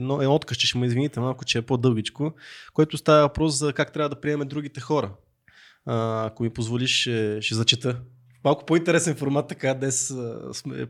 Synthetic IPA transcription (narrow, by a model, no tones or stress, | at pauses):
nɔɛɔt̪kəʃt͡ʃɛʃɛmʊizvinit̪ɛmalˠkʊt͡ʃɛɛpod̪ɤlˠɡʲit͡ʃkokoɛt̪ʊst̪avɐvɐpɾɔszɐkak̚t̪ɾʲavəd̪ɐpɾiɛmɛd̪ɾuɡ̟it̪ɛxɔɾə | əːkomipozvoliʃʃɛʃɛzɐt͡ʃɛt̪ɤ | malˠkʊ̥point̪ɛɾɛsɛnfoɾmat̪ːɐkad̪nɛssmɛ̰